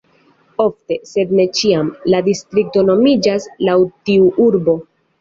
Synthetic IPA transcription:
o̞fte̞se̞dne̞t͡ʃiamladistɾik̚to̞no̞mid͡ʒaslawtiuʔuɾbo̞

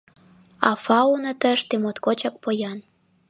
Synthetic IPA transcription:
ɑfɑunə̆t̪əʃt̪emot̪kot͡ɕɑk̚pojɑn

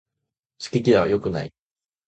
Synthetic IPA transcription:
t͡ɕi̥kʲekʲia̰jo̞kɯ̟na̰ḭ

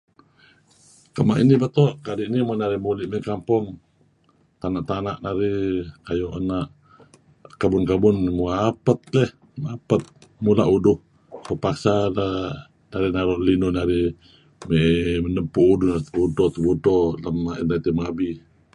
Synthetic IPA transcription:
kəmaʔinibət̪ɔʔkadiʔnimunaɾɪhmulɪʔmɛʔkampɔŋ | t̪anaʔt̪anaʔnaɾikajɔʔanaʔ | kabʊnkabʊnmuapət̪̚lɛh | mapət̪̚mulaʔudʊh | pəpaksala | naɾinaɾɔʔlinʊnaɾi | meʔmənəmpuʔudʊhnat̪əbudɔt̪əbudɔlamːaʔinat̪imabi

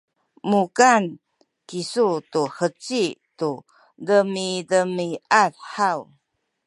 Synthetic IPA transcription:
mukan | kisutuħət͡situ | dəmidəmiʔatħaw

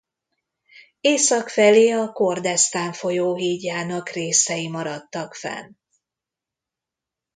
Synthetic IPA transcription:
eːsɒkfɛleːɒko̞rd̪ɛst̪aːɱfo̞joːɦiːɟːaːnɒkreːsɛjimɒɾɒt̪ːɒkfɛ̰n

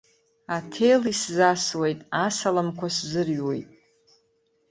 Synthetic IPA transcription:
atʰe̞jliszaswe̞jtʼasalamkʷʰaszɨrɥwe̞̰jtʼ

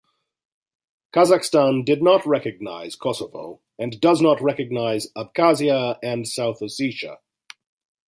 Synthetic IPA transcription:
kʰazəkstɑ̃ndɨdⁿnət̚ɹɛkɨɡ̚na̰ɪz̥kʰɔsəvo̰ʊ | ɨ̃ndʌznət̚ɹɛkɨɡ̚naɪzəb̚kʰæziəɨ̃nsaʊθə̥siʃə̰

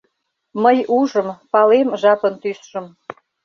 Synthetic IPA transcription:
məjuʒə̆mpɑlemʒɑpənt̪ysʃə̆m

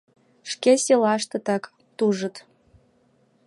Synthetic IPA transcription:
ʃkesʲelɑʃt̪ɤ̆t̪ɑk | t̪uʒə̆t̪

